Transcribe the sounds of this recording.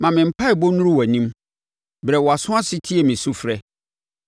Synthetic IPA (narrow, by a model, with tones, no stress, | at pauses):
mã˨mɪ̃˨m̩˨pʰa˦ɪ˨bo˦nũ˦ɾu˦wæ˨nĩ˦m | bɾɛ˨wɔ˨a˨sʊ̃˦ã˦sɪ˦tʰi˦ɛ˨mĩ˨su˦fɾɛ˦